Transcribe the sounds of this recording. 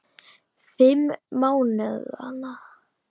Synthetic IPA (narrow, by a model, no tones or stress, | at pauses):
fɪmːaːwnɛa̰na